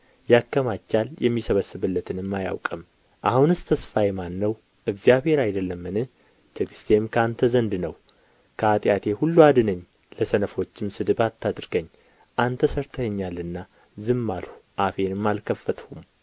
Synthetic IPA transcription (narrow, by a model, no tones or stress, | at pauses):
jakːəmat͡ʃːaljɛmːisəβəsːɨβɨlːət̪ʰɨnɨmːaja̰wkʼəm | ʔahunɨst̪ʰəsfajmanːəw | ʔɨɡzjaβhe̞ɾajd̪əlːəmːɨnɨ | t̪ʰəkɨ̥st̪ʰe̞mkʰəant̪ʰəzənd̪nəw | kʰəat̪ʼjat̪ʰe̞hulːuad̪ɨnəɲː | ləsənəfo̞t͡ʃːɪmsɨd̪ɨbat̪ʰːad̪ɾɨɡəɲː | ʔant̪ʰːəsəɾt̪ʰəɲːalɨnːa | zɨmːalhu̥ʔafe̞nɨmːalkʰəfːət̪ʰhum